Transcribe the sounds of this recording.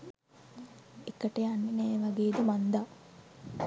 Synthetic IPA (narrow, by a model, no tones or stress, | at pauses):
ekəʈəjanːenɛːʋaɡeːd̪əmand̪a